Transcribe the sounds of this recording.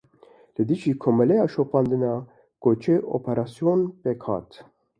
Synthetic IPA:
lɨd̪iʒiːkʰoːmɛlɛjɑːʃopɑːnd̪ɨnɑː | kot͡ʃʰeʔo̰pʰɛɾɑːsijonpekhɑ̰ːt̪

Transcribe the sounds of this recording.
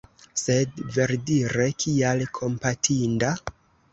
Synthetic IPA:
se̞dve̞ɾdiɾe̞kʰialkʰo̞mpatʰinda

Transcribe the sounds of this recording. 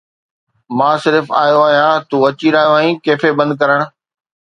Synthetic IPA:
mãːsɪɾfa̰ːjoaːɦijãt̪uːɐt͡ɕiɾaːɦijoaːĩːkeːfebɐ̃nd̪̚kɐɾəɽ̃̆

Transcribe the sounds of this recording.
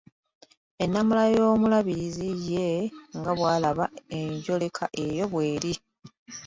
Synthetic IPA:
e̞nːamulajo̞ːmulaβiɾizije̞ŋɡaβwaːlaβae̞ɲɟo̞le̞kʰaʔe̞jo̞βwe̞ːɾi

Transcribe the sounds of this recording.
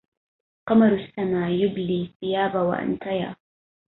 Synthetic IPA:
qɑmaɾʊsːamaːjʊbliːθɪjaːbawa̰ʔa̰nt̪ʰaja̰ː

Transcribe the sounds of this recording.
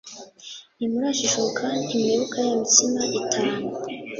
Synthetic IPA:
nimuɾaʃiʃokʰanimeβukajimitimaʔitʰaːma

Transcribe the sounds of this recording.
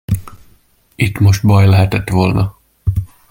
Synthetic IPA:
it̪mo̞ʃt̪bɒjlɛɦɛt̪ɛt̪ʋo̞lnɒ

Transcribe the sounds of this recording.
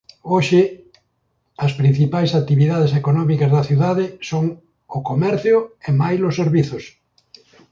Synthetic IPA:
oʃɪ | ɐspɾin̟θipajsat̪iβiðað̞esekonɔmikɐzðɐθiuðaðɪsoŋ | ʊkomɛɾθjʊemajlʊsːeɾβiθʊs

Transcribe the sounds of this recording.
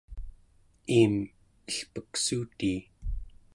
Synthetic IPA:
iːm | əɬpəksuːt̪iː

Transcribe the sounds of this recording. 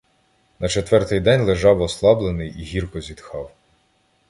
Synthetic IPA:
nɐt͡ʃɔt̪ʋɛrt̪ɪjd̪ɛnʲlˠeʒɑwɔslˠɑblˠenɪjiɦʲirkɔzʲid̪xɑw

